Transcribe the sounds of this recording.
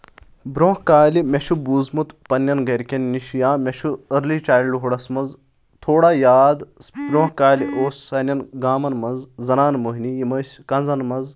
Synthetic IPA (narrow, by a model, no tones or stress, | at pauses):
bɾõːɦkaːlimeʃubuːzmut̪pɐnjɐnɡɐɾkʲɐnːiʃjãːmeʃuɐɾlit͡ʃaːjlɖuɦuɽɐsmɐnz | t̪ʰoːɽaːjaːd̪bɾõːɦkaːliʔoːssɐnʲɐnɡaːmɐnmɐnzzɐnaːnmoɦinijimɐsʲkɐnzɐnmɐnz